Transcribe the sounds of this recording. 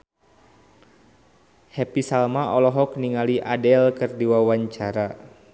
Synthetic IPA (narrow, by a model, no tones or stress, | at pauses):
hɛpisalmaʔɔlɔɦɔkniŋaliʔadɛlkɨrdiwawaɲt͡ʃaɾa